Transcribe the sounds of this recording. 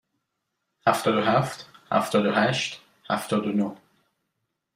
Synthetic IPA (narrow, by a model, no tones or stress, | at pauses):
hæft̪ɔːd̪oɦæft̪hæ̰ft̪ʰɔːd̪oɦæʃt̪ | hæ̰ft̪ʰɔːd̪ono